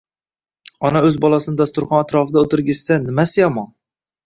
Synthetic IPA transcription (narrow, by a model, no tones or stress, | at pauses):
ɒnaɵzbɒlˠɒsɪnɪd̪ast̪ʊɾχɒnat̪ɾɒfɪd̪aot̪ʰɪɾɡʲɪssanɪmasɪjɒmɒn